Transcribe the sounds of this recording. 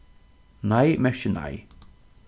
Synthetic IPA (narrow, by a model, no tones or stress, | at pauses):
najmɛʃəna̰j